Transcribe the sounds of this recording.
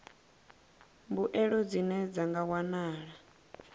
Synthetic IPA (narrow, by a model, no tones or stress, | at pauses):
mbuʔɛɺɔd͡zinɛd͡zaŋɡawanaːɺa